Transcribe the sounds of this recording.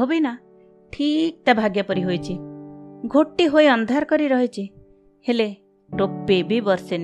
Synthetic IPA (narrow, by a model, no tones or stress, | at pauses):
obina | ʈʰik̚t̪abʱaɡjɔpɔɾiɦojt͡ʃʰi | ɡʱoʈːiɦoiɔnd̪ʱaɾkɔɾiɾɔɦet͡ʃʰi | hele | ʈopːebʱibɔɾsen